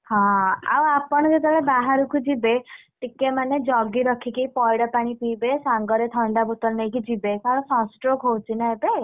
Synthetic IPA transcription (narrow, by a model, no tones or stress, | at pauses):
hɔ̃a̰wapɔɽ̃ɔked̪ɔɭebaɦaɾukʰud͡ʒibeʈikemaned͡ʒɔɡiɾɔkʰikijpɔjɽɔpaɽ̃ipibesaŋɡɔɾet̪ʰɔɳɖabut̪ɔɾnejkid͡ʒibekaɭɔsɔ̃sʈɾokɦowt͡ʃʰinaebe